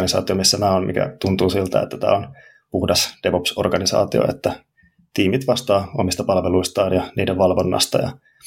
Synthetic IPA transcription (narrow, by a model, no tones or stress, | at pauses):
nisɑ̰ːt̪io̞misːæmæːommḭkæ̰t̪unt̪uːsilt̪æ̰et̪ːæt̪æ̰ːon | puhdɑsd̥eʋopso̞̰rɡ̥ɑnisɑ̰ːt̪io̰et̪ːæ | t̪iːmit̪ʋɑst̪ɑːomist̪ɑpɑlʋeluist̪ɑːnjɑnḭːdeʋʋɑlʋonːɑ̰st̪ɑjɑ̰